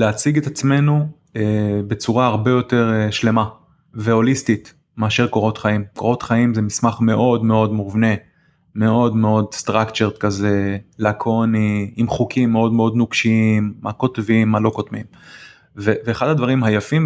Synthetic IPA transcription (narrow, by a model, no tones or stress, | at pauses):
leat͡siɡet̪at͡sme̞nu | ebe̞t͡suʁaːʁbejo̞t̪eʁʃle̞ma | veo̞list̪it̪ | meaːʃeʁko̞ʁo̞t̪χaimkoʁo̞t̪χaimzemismaχme̞ʔo̞d̪me̞o̞d̪muvne̞ | me̞o̞dme̞o̞d̪st̪ʁakt͡ʃeʁt̪kazelakʰo̞niimχukʰimːeo̞dmeo̞d̪nukʃiiimːako̞tvimːalo̞ko̞t̪mim | veveːχad̪ad̪vaʁimɦajafim